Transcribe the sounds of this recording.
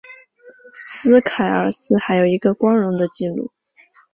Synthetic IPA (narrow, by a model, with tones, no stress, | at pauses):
sɹ̩˥kʰa˨˩ɪə̰˞˨˩sɹ̩˥xa˧˥ɪjo˨˩ʊi˧˥ɡə˧kwɑ˥ŋɻʊ˧˥ŋd̪ə˧t͡ɕi˥˧lṵ˥˩